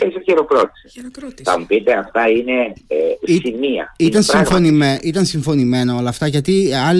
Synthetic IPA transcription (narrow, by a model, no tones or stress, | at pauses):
esiçeɾokɾot̪i̥siθɐ̰mupit̪e̞ɐft̪ɐine̞simiɐ̰it̪ɐnsifonimeit̪ɐnsiɱfo̞nime̞nɐo̞lɐːft̪ɐʝɐt̪iɐ